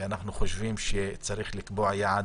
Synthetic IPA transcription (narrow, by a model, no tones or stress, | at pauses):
ʔanaħnuxʊʃviːmʃɛt͡saɾiːxlɪkbuːʕjaʕad̪